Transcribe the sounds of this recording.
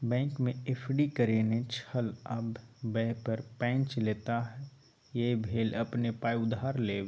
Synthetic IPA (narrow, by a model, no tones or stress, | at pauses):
bɛ̃ːŋkmẽepʰɖikəɾeːnet͡ʃʰəlɐbbɛɦpəɾpɛ̃ːt͡ʃleːt̪aɦɛ | jebʱeːlɐpnepaːiʊd̪aːɾleː